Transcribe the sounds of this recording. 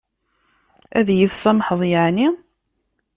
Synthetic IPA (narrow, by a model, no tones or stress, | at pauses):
æðjəθsæmħəðˤjəʕni